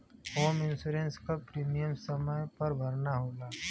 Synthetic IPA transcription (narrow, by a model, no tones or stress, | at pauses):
oːmɪ̃nsuɾẽnskapɾiːmijəmsɐməjpɐɾbʱɐɾnaɦoːlaː